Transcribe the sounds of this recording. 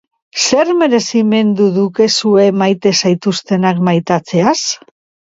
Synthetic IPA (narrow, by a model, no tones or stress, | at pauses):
se̞ɾme̞ɾe̞sime̞nd̪uðuke̞sue̞majt̪e̞sajt̪ust̪e̞nakmajt̪at͡se̞as